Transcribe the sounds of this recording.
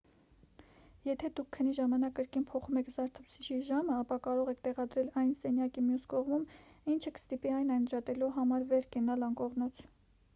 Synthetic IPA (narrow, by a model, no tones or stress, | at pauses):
jɛt̪ʰɛd̪ukʰːənːiʒɑmɑnɑkːəɾkinpʰɔχumɛkʰzɑɾt̪ʰut͡sʰit͡ʃʰiʒɑməɑpɑkɑɾɔʁɛkʰt̪ɛʁɑd̪ɾɛlɑjnsɛnjɑkimjuskɔʁmumint͡ʃʰəkə̥st̪ipiɑjnɑjnd͡ʒɑt̪ɛluɦɑmɑɾvɛɾkɛnɑlɑŋkɔʁnut͡sʰ